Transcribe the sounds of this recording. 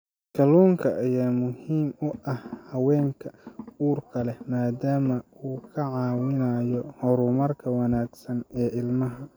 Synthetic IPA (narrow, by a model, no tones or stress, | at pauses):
kʰɐluːŋkʰɐʔːjaːmʊhiːmʊʔɐhhɐwɛːŋkʰɐuːrkʰɐlɛmaːd̪aːmɐuːkʰɐʕɑːwɪnajɔhɔɾʊmɐrkʰɐwɐnaːɡsɐnɛːʔɪlmɐɦɐ